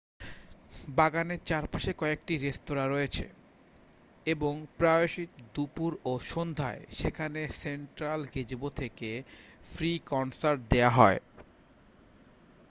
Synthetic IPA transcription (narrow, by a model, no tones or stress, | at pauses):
baɡaneɾt͡ɕaɾpaʃekɔek̚ʈiɾest̪oɾaɾɔjet͡ɕʰḛ | eboŋpɾaoʃit̪d̪upuɾoʃond̪ʱa̰eʃekʰaneseɳʈɾalɡed͡ʑbot̪ʰekefɾikɔnsaɾʈ̚d̪eaɦɔe